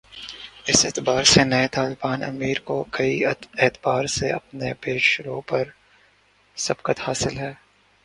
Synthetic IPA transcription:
ɪseːt̪baːɾsenɐet̪aːlbaːnɐ̰miːɾkokɐieːt̪baːɾseɐp̚nepeːʃɾoːpɐɾ | sɐbkət̪haːsɪlɦɛː

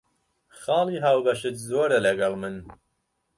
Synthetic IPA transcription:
xɑːlˠiːɦaːwbɐʃɨt̪zoːɾɐlɐɡɐlˠmɨn

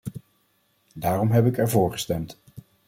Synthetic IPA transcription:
daːrɔmɦɛp̬ɪkɛɹvʊːɹχə̥stɛmt

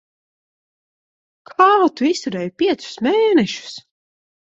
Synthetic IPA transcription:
kʰaːt̪uist̪uɾɛjpʲiɛt̪sʊ̥smeːnɛʃu̥s

